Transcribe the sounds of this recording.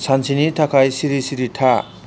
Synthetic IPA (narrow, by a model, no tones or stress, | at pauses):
sʰant͡sʰinitʰakʰajsiɾisiɾitʰa